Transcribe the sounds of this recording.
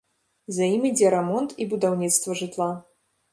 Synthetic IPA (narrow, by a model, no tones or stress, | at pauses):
zajimʲid͡zʲɛɾɛmɔnt̪ibud̪awnʲit̪st̪vɐʐɨt̪lˠa